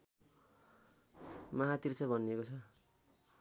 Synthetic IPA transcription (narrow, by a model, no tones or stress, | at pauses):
maɦat̪irsʰʌbʱʌniekot͡sʰʌ